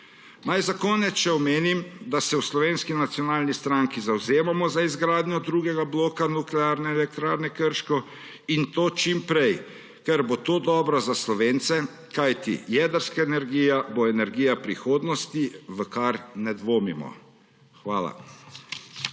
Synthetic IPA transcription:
najzakɔnɛtʃɛɔmeːnimd̪asɛwslɔʋeːnskinat̪sijɔnaːlnist̪ɾaŋkizawzeːmamɔzaizɡɾaːd̪nʲjɔd̪ɾuːɡɛɡabloːkanuklɛaːɾnɛɛlɛk̚t̪ɾaːɾnɛkəɾʃkɔ | int̪oːt͡ʃimpɾɛj | kɛɾbot̪oːd̪ɔːbɾazaslɔʋeːnt̪sɛ | kajt̪ḭjɛd̪əɾskaɛnɛɾɡiːjaboɛnɛɾɡijapɾixoːd̪nɔst̪iʋəkaɾnɛd̪ʋoːmimɔ̰ | xʋaːla̰

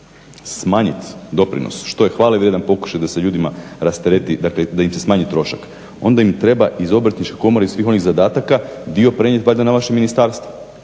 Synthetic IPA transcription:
smaːɲit̪d̪o̞pɾḭno̰sʃt̪o̞je̞xʋaːlaiʋɾje̞d̪anpo̞ku̥ʃajd̪aseʎuːd̪imaɾast̪ɾet̪id̪akled̪aimse̞smaːɲit̪ɾo̞ʃak | o̞̰nd̪aimt̪ɾe̞baʔizo̞bɾat̪nit͡ʃkeko̞moɾeisʋiːxo̞niɣzad̪aːt̪akad̪iopɾeɲet̪ʋajd̪anaʋaʃeminist̪aːɾst̪ʋo̥

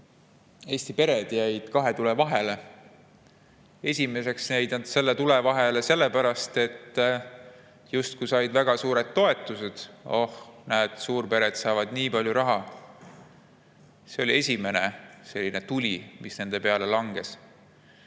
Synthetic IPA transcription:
e̞ːsʲt̪ipe̞ɾe̞d̪̥jæjd̪̥kɑɦe̞t̪ule̞vɑɦe̞le̞ | e̞sʲime̞se̞ksnejd̪nɑd̪̥se̞lːet̪ule̞vɑɦele̞se̞lːepæɾɑst̪e̞t̪ː | just̪̚kujsɑjd̪̥væɡ̥ɑsuːɾe̞d̪ːo̞e̞t̪ːˑuse̞d̪̥o̰hnæːd̪̥suːrpe̞ɾe̞d̪̥sɑːvɑd̪niːpɑlʲjuɾɑɦɑ | se̞o̞lie̞sʲime̞ne̞se̞lːine̞t̪ulʲimisne̞nd̪̥e̞pe̞ɑle̞lɑŋɡ̥e̞s

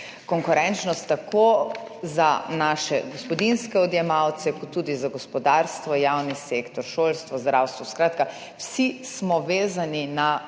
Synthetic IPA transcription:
kɔŋkuɾɛnt͡ʃnɔst̪ːako | zanaːʃɛ̰ɡɔspɔd̪inskɛɔd̪jɛmawt̪sɛkɔt̪ːuːd̪izaɡɔspɔd̪aɾst̪ʋɔjawniseːkt̪ɔɾʃoːlst̪ʋɔzd̪ɾawst̪ʋɔskɾaːt̪ka | wsismɔʋeːzanina

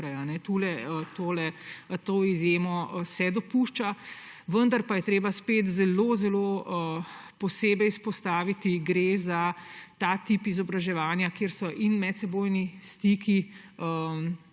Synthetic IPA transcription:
ɾɛjanɛt̪ulɛət̪oːlɛt̪oːizjeːmɔsɛd̪ɔpuːʃt͡ʃa | ʋənd̪aɾpajɛt̪ɾeːbaspeːt̪zɛloːzɛloːəpɔseːbɛjispɔst̪aːʋit̪iɡɾeːzat̪at̪iːpizɔbɾaʒɛʋaːnjakeːɾsɔʔinmɛt̪sɛboːjnist̪ikiə

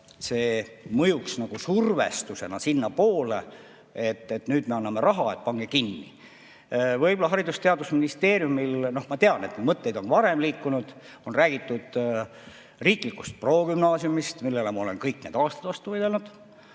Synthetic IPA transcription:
se̞ːmɤjuksnɑɡ̥usurve̞̰st̪use̞̰nɑsinːɑpo̞ːlḛ | et̪ːet̪nyːd̪̥me̞ɑnːɑme̞ɾɑɦɑe̞t̪̚pɑŋɡ̥e̞kinːḭ | vɤjbolːɑɦɑɾid̪ust̪e̞ɑd̪usminist̪e̞ːɾjumilno̞hmɑt̪eɑne̞t̪nemɤt̪ːe̞jd̪̥o̞nvɑɾe̞mliːkːˑunud̪̥ | o̞nræːɡ̥it̪ːˑud̪̥ | riːklikːust̪̚pro̞ːɡymnɑːsjumist̪milːelemɑo̞le̞nkɤjkːne̞ːd̪̥ɑːst̪ɑ̥d̪vɑst̪uvɤjd̪elnud̪̥

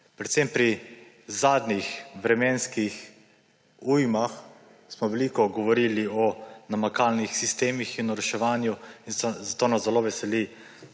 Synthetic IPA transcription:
pɾɛt̪sempɾi | zaːd̪nixʋɾɛmɛːnskix | ujmax | smɔʋɛliːkɔɡɔʋɔɾiːliɔnamakaːlnixsist̪eːmixinɔɾɛʃɛʋaːnjuinzat̪oːnazɛloːʋɛsɛli

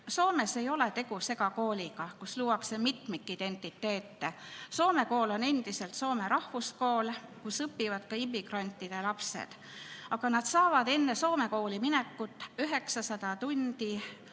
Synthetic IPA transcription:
so̞ːme̞se̞jo̞le̞t̪e̞ɡ̥use̞ɡɑko̞ːlʲiɡɑkusluːwɑksemit̪mikːˑid̪̥e̞nʲt̪ːˑit̪ːe̞ːt̪ːe̞so̞ːme̞ko̞ːlo̞ne̞nd̪̥ise̞lt̪so̞ːme̞ɾɑhvusko̞ːlkusɤpːivɑd̪kɑimːiɡrɑnʲt̪ːˑid̪̥e̞lɑpse̞̰d̪̥ | ɑɡ̥ɑnɑd̪̥sɑːvɑd̪̥e̞nːe̞so̞ːme̞ko̞ːliminekːˑut̪ːˑyɦe̞ksɑsɑd̪̥ɑt̪und̪̥i

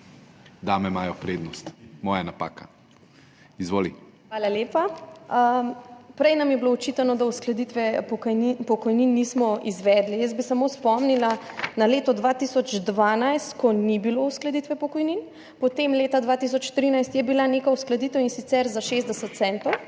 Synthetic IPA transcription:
d̪aːmɛmaːjɔpɾed̪nɔst̪mɔːjanapa̰ːka̰ | izʋoːlḭ | xʋaːlaljeːpaəpɾɛjnamjɛbiloɔt͡ʃit̪anɔd̪awsklɐd̪it̪ʋɛpɔkipɔkɔjninːismɔizʋɛd̪lijəs̬̚bisamospɔmnila | naleːt̪ɔd̪ʋat̪isɔd͡ʒd̪ʋaːnajst̪kɔnibilousklɐd̪it̪ʋɛpɔkɔjnin | pɔt̪emleːt̪ad̪ʋat̪is̬ɔt͡ʃt̪ɾinajst̪jɛbilanekawsklɐd̪it̪əwinsit̪sɛɾzaʃezd̪ɛsət̪̚sɛnt̪ɔw

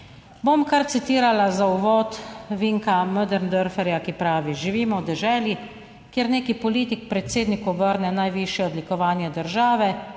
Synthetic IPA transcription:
bomkaɾt̪sit̪iːɾalazauʋɔːt̪ʋiŋkaməd̪ɛɾnd̪əɾfɛɾjakipɾaːʋiʒiʋiːmɔwd̪ɛʒɛːlji | kjeɾneːkipɔliːt̪ik̚pɾɛt̪seːd̪nikubəɾnɛnajʋiʃjɛɔd̪likɔʋaːnjɛd̪əɾʒaːʋɛ

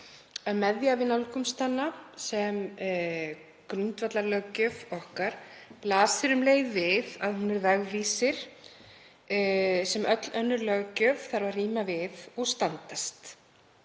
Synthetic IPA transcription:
amɛðjavɪnawlkʏmst̪anːasɛm | kɾʏnt̪vat̪laɾlœɣcœːvɔhkaɾ̥ | plaːsɪɾʏmleːjðvɪðaðhunɪɾvɛɣviːsɪɾ̥ | sɛmʔœt̪lœnːʏɾlœːɣcœːvθaɾvaɾriːmavɪðɔɣst̪ant̪ast̪

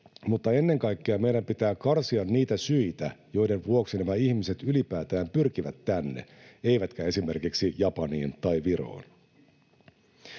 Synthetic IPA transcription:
mut̪ːɑe̞nːe̞ŋkɑjkːeɑme̞jdæmpit̪æːkɑrsiɑnːiːt̪æsyit̪æjo̞jde̞nʋuoksinæmæiçmise̞t̪ylipæːt̪æːmpyrkiʋæt̪ːænːḛ | e̞jʋæt̪kæe̞sime̞rkiksijɑpɑniːnt̪ɑjʋiɾo̞̰ːn

